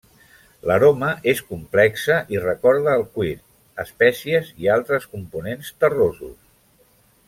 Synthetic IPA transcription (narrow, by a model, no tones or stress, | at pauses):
ləɾoməʔeskumplɛksəʔirəkɔɾðəːlˠkwiɾ | əspɛsiəzialˠt̪ɾəskumpunenst̪ərozṵs